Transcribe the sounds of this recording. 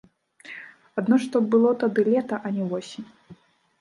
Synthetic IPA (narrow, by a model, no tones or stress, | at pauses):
ad̪nɔʂt̪ɔbɨlˠɔt̪ad̪ɨlʲɛt̪ɐʔɐnʲɛvɔsʲinʲ